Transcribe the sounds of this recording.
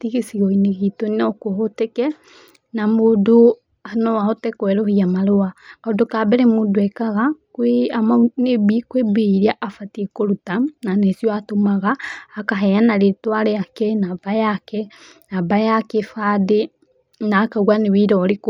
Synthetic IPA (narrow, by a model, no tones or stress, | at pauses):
tiɣesiɣɔineɣitonɔkoɦotɛkɛ | namodo | anɔwahɔtɛkwɛɾohiamaɾoakaodokabɛɾɛmodoɛkaɣakweamanebikwebeiɾiaʔafatiɛkoɾutananesiɔatomaɣaːkaɦɛjanaɾetwaɾɛakɛnabajakɛ | nabajakefade | naːkaɣwanewiɾɔɾek